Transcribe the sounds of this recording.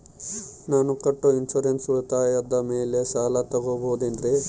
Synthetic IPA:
naːnukɐʈːuinʃuɾensuɭut̪aːjɐd̪ɐmeːleʃaːlɐt̪ɐɡoboɦud̪end̪ɾe

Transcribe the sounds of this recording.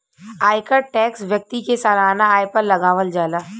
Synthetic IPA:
aːjkəʈɛːksʋjɐk̚t̪ikesaːlaːnaaːjpɐɾlɐɡaːʋəld͡ʒaːlaː

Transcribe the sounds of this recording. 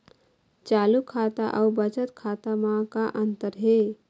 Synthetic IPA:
t͡ʃalukʰːat̪aʔaubət͡ʃət̪kʰat̪amãkaʔənt̪əɾɦe

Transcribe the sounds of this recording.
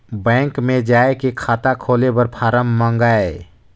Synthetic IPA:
bɛ̃ːŋkmẽd͡ʒaːekekʰaːt̪akʰoːlebəɾpʰaːɾəmːãŋɡae

